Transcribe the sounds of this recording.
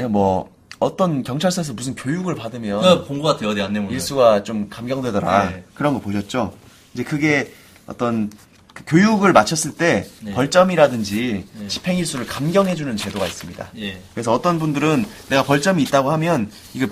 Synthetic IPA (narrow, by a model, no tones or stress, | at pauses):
mwʌ | ʌt͈ʌnkjʌŋt͡ɕʰaɭs͈ʰʌesʰʌmusʰɯnkjojuɡɯɭpadɯmjʌpoŋɡuɡadweʌdeanːemoiɭs͈uɡat͡ɕomkamɡjʌŋdwedʌɾa̰kɯɾʌnɡʌpoɕʰʌt̚t͡ɕ͈o | ind͡ʑe̞kɯɡe̞ | ʌ̰t͈ʌn | kɯkjojuɡɯɭmat͡ɕʰʌs͈ɯɭt͈e̞pʌɭt͡ɕ͈ʌmiɾadɯnd͡ʑit͡ɕi̥pʰe̞ŋiɭs͈uɾɯɭkamɡjʌŋɦe̞d͡ʑunɯnt͡ɕe̞doɡais͈ɯmɲida̰kɯɾe̞sʰʌʌt͈ʌnbundɯɾɯnːe̞ɡapʌɭt͡ɕ͈ʌmiːt̚t͈aɡohamjʌn | iɡe